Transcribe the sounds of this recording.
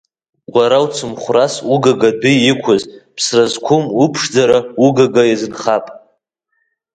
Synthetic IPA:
ɡʷʼaɾawt͡sʰɨmχʷrasuɡaɡadʊɪkʷʰʊzpʰsrazkʷʰʊmupʰʂd͡zaɾauɡaɡajazɨnχapʼ

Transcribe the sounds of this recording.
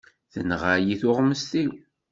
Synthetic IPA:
θənʁajiθʊʁməst̪i

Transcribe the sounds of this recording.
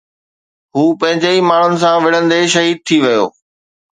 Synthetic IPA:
ɦuːpɐ̃ɦɪ̃ɲd͡ʑeimaːɳ̤ʊnɪ̆s̬ãʋɪɽ̤ə̃nd̪eʃ̬ɐɦiːd̪̚t̪ʰiʋɐjo̰ː

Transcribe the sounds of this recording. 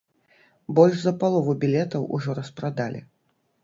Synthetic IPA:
bɔlʲʐzɐpalˠɔvubʲilʲɛt̪ɐwʔuʐɔɾɐspɾad̪alʲḭ

